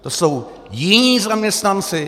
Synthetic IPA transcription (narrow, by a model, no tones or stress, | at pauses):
t̪osow | jɪɲiːzamjɛst̪ant͡sɪ